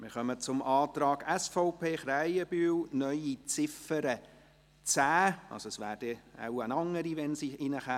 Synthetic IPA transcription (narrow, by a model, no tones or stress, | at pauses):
mɪɾχœmət͡sʊmʔɑːt̪ɾɑːɡ̥ɛsfɔʊpʰeːχɾæjəb̥yːlnœʏit͡sɪfəɾə | t͡sæːɑ̰lsoɛsʋæːɾd̥ɛa̰wənɑŋːəɾiʋɛnsiɪnəχa